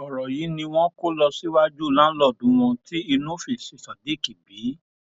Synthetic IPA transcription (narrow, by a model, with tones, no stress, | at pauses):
ɔ˨ɾɔ˨ji˨˦nĩ˧w̃ɔ̃˦ko˦lɔ˧si˦wa˦d͡ʒu˦˨lã˨˦lɔ˦˨dũ˨˦wɔ̃˧ti˦i˧nũ˦fi˦˨si˨sa˨de˨˦˨ki˨bi˨˦